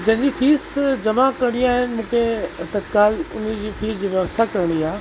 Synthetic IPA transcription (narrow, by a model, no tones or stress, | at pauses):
d͡ʑɐ̃ɦɪ̃ɲd͡ʑiːfiːsd͡ʑɐmakɐɽ̃iaːɦɪnɪmũːkʰet̪ɐd̪kaːlʊ̰nəd͡ʑiːfiːzd͡ʑiːʋjɐʋəst̪ʰakɐɾɽ̃iaː